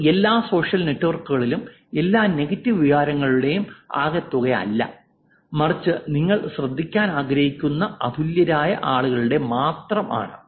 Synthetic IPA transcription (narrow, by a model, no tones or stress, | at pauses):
e̞lːaːso̞ːʂjɐlne̞tːuʋɐrkuɣɐɭilum | e̞lːaːne̞ɣɐtːiʋiʋaːɾɐŋːɐɭuɽe̞juma̰ːɣɐt̪ːuɣɐjɐ̰lːɐ̰ | mɐrit͡ɕːɨniŋːɐɭɕrɐd̪ʱːikʲːaːnaːɡɾɐhikʲːunːɐɐd̪ʱuljɐɾaːjɐ̰ʔaːɭuɣɐɭuɽe̞maːt̪rɐmʔa̰ːɳɨ